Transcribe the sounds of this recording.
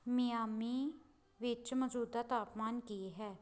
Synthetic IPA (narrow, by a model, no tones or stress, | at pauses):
mijaːmiː | ʋɪt͡ʃməd͡ʒuːd̪aːt̪aːpmaːnkiɦɛː